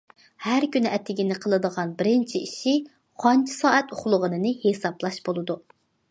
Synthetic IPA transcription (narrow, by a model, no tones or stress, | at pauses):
hæɾkʲynʔɛt̪ʰːɪɡʲinɪqʰəlˠɨd̪əʁɑnbɪɾɪnt͡ʃʰiiʃi | qʰɑnt͡ʃʰi̥sɑːɛt̪oχlˠʊʁənɨnɨhesɑblˠɑʃb̥olˠɨd̪u